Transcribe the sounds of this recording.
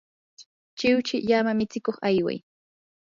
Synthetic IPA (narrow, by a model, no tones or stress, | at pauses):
t͡ʃɪwt͡ʃɪʎamamɪt͡sɪkoχajwa̰j